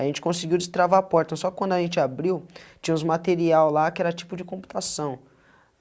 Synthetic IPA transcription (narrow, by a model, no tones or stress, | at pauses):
aʒẽnt͡ʃɪ̥kõsɪɡiwd͡ʒɪst̪ɾavaapɔɾt̪ɐsɔkɪkwɐ̃nd̪ʊɐʒẽnt͡ʃɪabɾiwt͡ʃĩɲɐ̃ũzmat̪eɾiawlakɪɛɾɐt͡ʃi̥pʊd͡ʒɪkõpu̥t̪asɐ̃w̃